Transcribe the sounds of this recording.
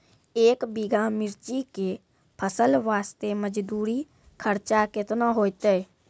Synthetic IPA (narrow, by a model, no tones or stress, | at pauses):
eːkbiɡʱamɪɾt͡ʃike | pʰəsəlʋaːst̪eməd͡ʒd̪uːɾi | kʰəɾt͡ʃakɪt̪naɦoːt̪e